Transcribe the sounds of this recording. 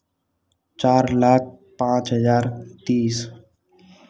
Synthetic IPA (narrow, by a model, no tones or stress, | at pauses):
t͡ʃaːɾlaːk̚ʰ | pãːt͡ʃɦəzaːɾt̪iːs